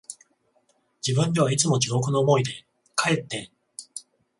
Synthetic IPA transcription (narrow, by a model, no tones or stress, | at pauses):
d͡ʑibɯ̟̃nd̪e̞β̞ait͡sɨmo̞d͡ʑiɡo̞kɯ̟no̞ːmo̞id̪e̞ | kʰae̞t̪ːẽ